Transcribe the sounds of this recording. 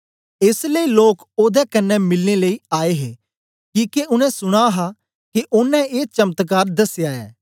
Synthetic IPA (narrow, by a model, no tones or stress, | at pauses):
ɪsləiloːk | oːd̪ɛkɐnːɛmɪlneləiaːeɦeː | kiːkeʊnɛ̃sʊɽ̃aɦa | keʔʊnːɛ̃eːt͡ʃɐmət̪k̬aːɾd̪ɐsjaːɛ̰ː